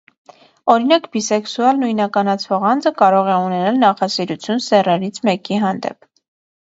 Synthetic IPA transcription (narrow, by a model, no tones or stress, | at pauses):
ɔɾinɑkbisɛksuɑlnujnɑkɑnɑt͡sʰvɔʁɑnd͡zəkɑɾɔʁɛunɛnɑlnɑχɑsiɾut͡sʰjunsɛrɛɾit͡sʰmɛkiɦɑnd̪ɛ̰p̚